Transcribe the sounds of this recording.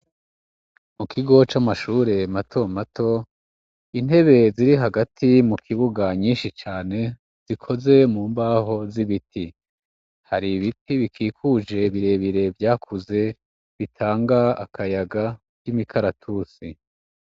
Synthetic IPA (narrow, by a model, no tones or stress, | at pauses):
mukʰiɡo̞t͡ʃamaʃuːɾe̞matʰo̞mato̞ | in̥e̞βe̞ziɾiɦaɡatʰimukʰiβuɡaɲiːnʃit͡ʃaːne̞ | z̥ikʰo̞ze̞muːmbaːɦo̞ziβiti | haɾiβitiβikʰiːkʰuːʒe̞βiɾe̞βiɾe̞vjaːkʰuze̞ | βitʰaːŋɡaːkʰajaɡa | kimikʰaɾatʰuːsi